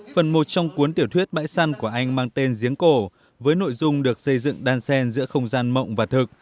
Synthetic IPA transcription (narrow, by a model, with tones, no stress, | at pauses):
fə˨˩nmo˨˩t̚t͡ɕɔ˧wŋ͡mku˨˦ənt̪i˧˩əwt̪ʰwi˦˥ət̚ɓa̰ː˧˥jsa˧nku˧˩əʔa˧jŋ̟maː˧ŋt̪e˧nzi˨˦əŋko˧˩ | vəː˨˦jno̰˧˨jzʊ˧ŋ͡mɗɨ˨˩ək̚sə˧jzɨ̰˧˨ŋɗaː˧nsɛ˧nzɨ̰˧˥əxə˧wŋ͡mzaː˧nmə̰˧˨wŋ͡mvaː˨˩t̪ʰɨ˨˩k̚